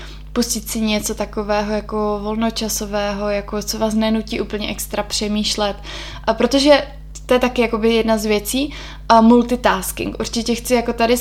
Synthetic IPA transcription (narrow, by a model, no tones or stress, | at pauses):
puscɪt̪sɪɲɛt͡so̞t̪ako̞vɛːɦojakovo̞lno̞t͡ʃaso̞vɛːɦo̞jakot͡sovaːs̬nɛnuciːʔuːpl̩ɲɛʔɛkst̪ɾapr̥ɛmiːʃlɛt̪ | pɾot̪o̞ʒɛ | t̪ːojɛt̪akɪjako̞bɪjɛdnazvjɛt͡siː | mult̪ɪt̪aːskɪ̰ŋkʔṵɾt͡ʃɪcɛxt͡sɪjako̞t̪adɪ